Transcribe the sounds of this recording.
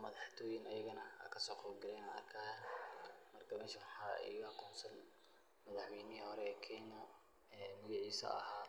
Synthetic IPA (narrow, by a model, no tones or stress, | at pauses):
mɐðɑħt̪ʰɔːjɪnɐjɐɣɐnɐa̰ːkʰɐsɔːqɔːlɡɐlɛjnaɐrkʰaːjɐmɐrkʰɐmɛːʃɐwɑħɑːɛ̰ɑquːnsɐn | mɐðɑħwɛːnɪhɔɾɛkʰɛːnɔ | ɛːmʊjɪʕiːsɐ̰ɐ̰ɦaː